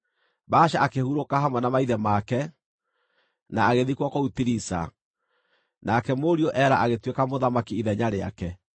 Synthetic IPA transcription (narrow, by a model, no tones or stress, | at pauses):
baːʃaʔakehuɾokaɦamwanamaiðɛmakɛ | naːɣeðikwɔkɔutiɾisa̰ | nakɛmoɾiɔʔɛɾaʔaɣetwekamoðamakiiðɛɲaɾea̰kɛ